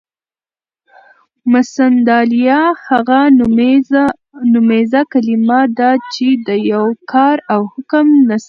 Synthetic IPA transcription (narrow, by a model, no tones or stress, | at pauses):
masand̪ɑlijɑhaɣa | nʊmezakalimad̪at͡ʃed̪əjawkʰɑɾawhʊkəmnas